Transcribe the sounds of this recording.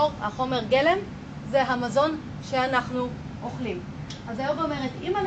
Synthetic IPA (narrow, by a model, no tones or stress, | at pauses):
oʁhaχo̞me̞ʁɡe̞le̞m | zeɦamazo̞n | ʃe̞anaχnu | ʔoχlim | ʔazajovome̞ʁetimal